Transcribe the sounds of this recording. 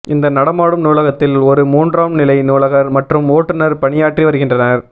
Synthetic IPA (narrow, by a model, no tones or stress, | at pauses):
ɪnd̪ɐnɐɽɐmaːɽɯmnuːlɐɣɐt̪ːɪlɔɾɯmuːndraːmnɪlɐɪnuːlɐɣɐɾmɐʈrɯmoːʈːɯnɐɾpɐɳɪjaːʈriʋɐɾɯɣɪndrɐnɐɾ